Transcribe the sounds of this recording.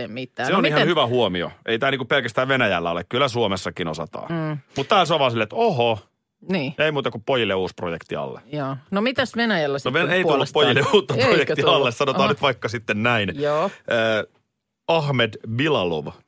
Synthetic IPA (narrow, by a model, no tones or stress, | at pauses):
emit̪ːæsseonihɑnhyʋæhuomio̰eit̪æːlniːŋkuppelkæst̪æːʋʋenæjælːæolekkylːˑæsuomesːɑkinosɑ̰t̪ɑ̰ːmut̪t̪æːls̬oɑʋɑːsilːet̪oɦo | niːjɑeimuːt̪ɑkuppojilːeuːsprojekt̪iɑ̰lːḛjoːnomit̪æsʋenæjælːæsnoʋeneit̪ulːupːojilːeuːt̪ːɑprojek̪iɑlːessɑnot̪ɑːnyt̪ʋɑikːɑsit̪ːennæinjoːəː | ɑhmedbilɑlo̰ʋ